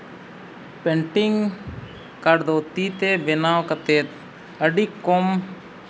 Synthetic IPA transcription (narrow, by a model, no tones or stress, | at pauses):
pɛɳʈiŋɡ | kaɽd̪ot̪it̪ebɛnawkət̪et̪̚ | əɖikːɔm